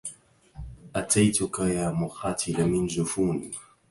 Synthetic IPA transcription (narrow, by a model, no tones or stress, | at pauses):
ʔat̪ʰajt̪ʊkajaːmʊxaːt̪ʰɪlamɪnd͡ʒʊfuːniː